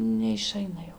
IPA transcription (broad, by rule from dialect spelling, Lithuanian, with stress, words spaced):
nʲɛɪˈʃɐɪnɐ jɛʊ